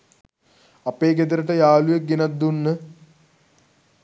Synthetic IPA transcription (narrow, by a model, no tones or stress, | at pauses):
apeːɡed̪əɾəʈəjaːlujek̚ɡenat̪d̪unːə